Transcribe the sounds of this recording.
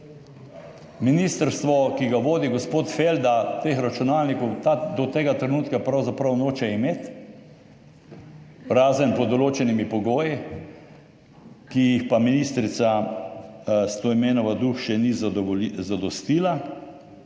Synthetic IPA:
minist̪əɾst̪ʋɔkiɡaʋoːd̪iɡɔspoːt̪feld̪at̪eːxɾat͡ʃunaːlnikɔwt̪ad̪ɔt̪eːɡat̪ɾɛnuːt̪kapɾawzapɾɐwnoːt͡ʃɛimeːt̪ | ɾaːzənpɔd̪ɔloːt͡ʃɛnimipɔɡoːji | kijixpaminiːst̪ɾit̪sa | st̪oimeːnɔʋad̪uxʃɛnizzad̪ɔst̪iːla

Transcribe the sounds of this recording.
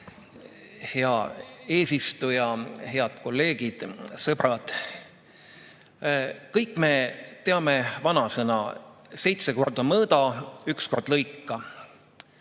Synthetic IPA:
heɑe̞ːsist̪ujɑhe̞ɑd̪̥ko̞lːe̞ːɡ̥id̪̥sɤb̥rɑd̪̥ | kɤjkˑːme̞t̪e̞ɑme̞vɑnɑsenɑ̰se̞jt̪se̞ko̞rd̪omɤːd̪̥ɑyksko̞rd̪̥lɤjkːɑ

